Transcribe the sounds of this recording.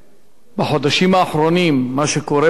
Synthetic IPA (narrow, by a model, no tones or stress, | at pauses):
baħo̞d̪aʃimaːχɾo̞nimːaʃe̞ko̞ɾe